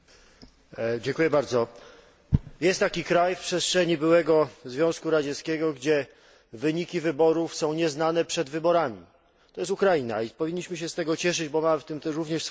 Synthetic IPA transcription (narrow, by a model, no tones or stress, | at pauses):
d͡ʑɛŋkujɛbaɾd̪zɔ | jɛst̪ːakʲikɾajfpʂɛst̪ʂɛɲibɘwɛɡɔzvʲjɔ̃w̃skuɾad͡ʑɛskʲɛɡɔɡd͡ʑɛ | vɘɲikʲivɘbɔɾufsɔ̃w̃ɲɛznanɛpʂɛd̪vɘbɔɾamʲḭ | t̪ɔjɛst̪ukɾaina̰ipɔvʲiɲːiɕmɘɕ̬ɛst̪ɛɡɔt͡ɕɛʂ̬ɘd͡ʑbɔmaft̪ɘmt̪ɛɾuvɲɛʂs